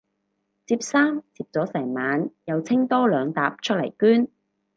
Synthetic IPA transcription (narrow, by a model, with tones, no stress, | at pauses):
t͡siː˧p̚saː˥mt͡siː˧p̚t͡sɔː˨˥sɛː˨˩ŋmaː˨njɐ˨˧wt͡sʰɪ˥ŋt̪ɔː˥lœː˨˧ŋt̪aː˨p̚t͡ʃʰɵ˥t̚lɐ˨˩jkyː˥n